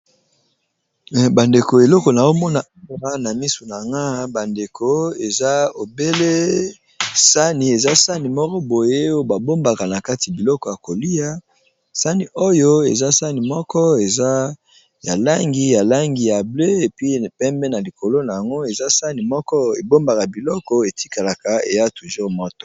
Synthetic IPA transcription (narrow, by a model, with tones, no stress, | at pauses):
ba˨nde˨ko˨e˨lɔ˦ko˨na˨zo˦mɔ˦na˨a˦ʁa˦na˨mi˦su˨na˨ŋɡa˦ba˨nde˨kʰo˦e˨za˦o˨be˦le˦ | sa˦ni˨e˨za˦sa˦ni˨mɔ˦kɔ˦bo˨je˦o˦ba˨bo˦mba˨ka˨na˨ka˦ti˨a˨bi˨lɔ˦kɔ˨ja˨ko˨li˦a˦ | sa˦ni˨ʔo˦jo˦ḛ˨za˦sa˦ni˨mɔ˦kɔ˦e˨za˦ | ja˨la˦ŋɡi˦ja˨la˦ŋɡi˨ja˨ble˦e˨pi˦pɛ˦mbɛ˦na˨li˨kʰo˨lo˦na˨ja˨ŋɡo˦e˨za˦sa˦ni˨mɔ˦kɔ˦e˨bo˦mba˨ka˨bi˨lɔ˦kɔ˦e˨ti˦ka˨la˨ka˨ḛ˨ja˦tu˨ʒu˦mɔ˦tɔ̥˨